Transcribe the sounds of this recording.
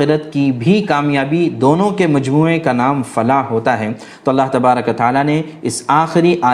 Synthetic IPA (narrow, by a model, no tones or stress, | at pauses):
ɪɾət̪kibʱikaːmjaːbid̪oːnõkemɐd͡ʒmuːẽkanaːmfɐlaɦoːt̪aɦɛː | t̪oːɐlːaːɦt̪ɐbaːɾəkot̪ɐaːlaneɪsaːxɪɾiʔaː